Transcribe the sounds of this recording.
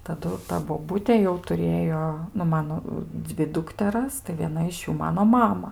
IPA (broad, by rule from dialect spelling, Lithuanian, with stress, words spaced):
tɐˈdʊ ˈtɐ boːˈbʊtʲeː jɛʊ tʊˈrʲeːjoː nʊ ˈmɑːnoː ˈd͡zʲʋʲɪ ˈdʊktʲɛrɐs tɐɪ ʋʲiɛˈnɐ ɪʃ ˈjuː ˈmɑːnoː ˈmɑːmɐ